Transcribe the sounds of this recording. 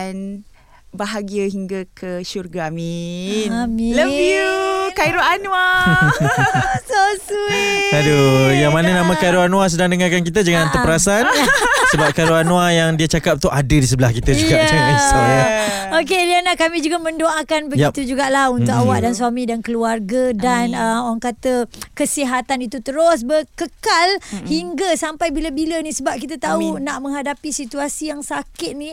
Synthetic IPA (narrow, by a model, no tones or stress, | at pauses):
an | baɦaɡiaɦiŋɡakʰəʃurɡamiamĩləviukajɾoanwa | sosuadojaŋmanãnãmãkajɾoanũas̬ədaŋdəŋarkankit̪əd͡ʒəŋant̪əpəɾasansəbap̚kajɾoanũajaŋdiat͡ʃakap̚t̪uʔadədis̬əbəlahkit̪əd͡ʒuɡat͡ʃamis | ok̬elianakamĩd͡ʒuɡamə̃ndoʔakanbəjit̪ud͡ʒuɡaʔlahunt̪ʊkawaʔdansuamĩdankəluarɡadanəmoɾaŋkat̪əkəsiɦat̪anit̪ut̪əɾʊsbəkəkalhiŋɡasampajbilabilənĩsəbap̚kit̪ət̪aunaʔmə̃ŋɦadapisit̪uasijaŋsakɪt̪̚nĩ